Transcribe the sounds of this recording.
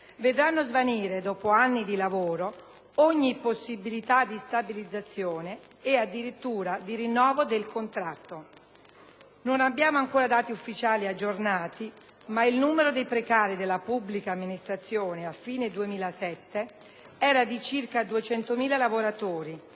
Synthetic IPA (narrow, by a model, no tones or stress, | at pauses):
ved̪ɾanːozvaniːɾed̪ɔːpoanːid̪ilavoːɾo | ɔɲːiposːibilit̪ad̪ːist̪abilid̪zːat̪sːjoːneː | ad̪iɾit̪ːuːɾad̪iɾinːɔːvod̪elkont̪ɾat̪ːo | nonabːjaːmoaŋkoːɾad̪aːt̪iufːit͡ʃaːliad͡ʒːornaːt̪i | mailnuːmeɾod̪ejpɾekaːɾid̪elːapubːlikaːmːinist̪ɾat̪sːjoːneafːiːned̪uemiːlasɛt̪ːe | ɛːɾad̪it͡ʃirkad̪uet͡ʃɛnt̪omiːlalavoɾat̪oːɾi